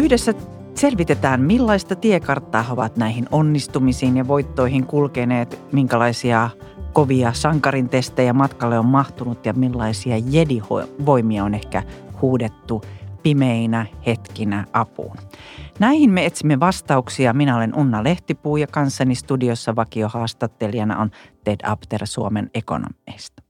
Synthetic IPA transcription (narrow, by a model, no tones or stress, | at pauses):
yhdesːæ | selʋit̪et̪æːnmilːɑist̪ɑt̪iekɑrt̪ːɑːhoʋɑ̰t̪næihinonːist̪umisiːnjɑʋoit̪ːoihiŋkulkeneːt̪miŋkælɑisiɑ | koʋiɑsɑŋkɑɾint̪est̪ejæmɑt̪kɑlːeommɑht̪unut̪jɑmilːɑisiɑjediho̰ʋoimiɑonehkæhuːdet̪ːupimeinæhet̪kinæʔɑpṵːnnæihinmeet̪simːeʋɑst̪ɑuksiɑminæolenʔunːɑleht̪ipuːjɑkɑnsːɑnist̪udiosːɑʋɑkiohɑːst̪ɑt̪ːeliɑnɑ̰ont̪edɑ̰pt̪ersuomeneko̰no̰mḛst̪ɑ̥